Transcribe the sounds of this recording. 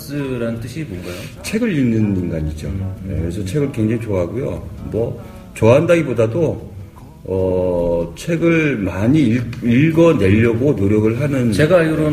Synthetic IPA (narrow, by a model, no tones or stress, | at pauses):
s͈ɯɾanɯnt͈ɯɕʰibonɡajot͡ɕʰe̞ɡɯɭinːɯnɯnɡaɲid͡ʑo̰jekɯɾesʰʌt͡ɕʰe̞ɡɯɭkwe̞ŋd͡ʑaŋit͡ɕoaɦaɡujo̰mʌ | t͡ɕoaɦandaɡibodado | ʌ | t͡ɕʰe̞ɡɯɭmaɲiiɭɡʌne̞ʎːʌɡonoɾjʌɡɯɭɦanɯnt͡ɕeɡauɾo